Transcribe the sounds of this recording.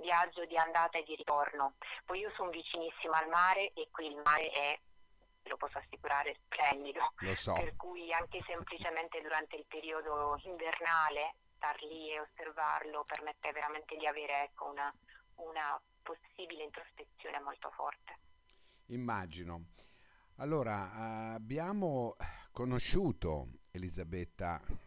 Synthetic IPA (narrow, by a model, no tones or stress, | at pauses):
vjad͡ʒːod̪iand̪aːt̪aed̪ːiɾit̪ornopɔjiːosɔnvit͡ʃinisːimoalmaːɾeʔekːwiːlmaːɾeʔɛ | lopɔsːoasːikuɾaːɾesplɛnd̪id̪olosɔperkujaŋk̟esemplit͡ʃement̪ed̪uɾant̪eilpeɾiːod̪oiɱvernaːlest̪arlieosːerva̰rlopermet̪ːeveɾament̪ed̪iaveːɾeɛkːounauna | posːiːbileint̪ɾospet̪sjoːnemolt̪o̰fɔ̰rt̪e̥ | imːaːd͡ʒino | alːoːɾaːbjaːmokonoʃuːt̪o̰elizabɛt̪ːa̰